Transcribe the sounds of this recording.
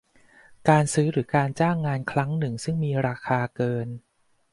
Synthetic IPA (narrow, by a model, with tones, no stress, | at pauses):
kaː˧nsɯː˦˥ɾɯː˩˦kaː˧nt͡ɕaː˥˩ŋːaː˧nkʰɾa˦˥ŋnɯ˨˩ŋsɯ˥˩ŋmiː˧ɾaː˧kʰaː˧kɤː˧n